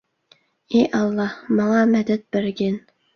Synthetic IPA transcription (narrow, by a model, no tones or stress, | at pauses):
eʔɑlˠːɑhmɑŋɑmɛd̪ɛt̪̚b̥ɪɾɡʲɪn